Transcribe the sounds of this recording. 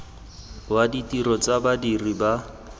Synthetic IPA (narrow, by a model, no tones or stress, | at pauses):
waditiɾɔt͡sabadiriba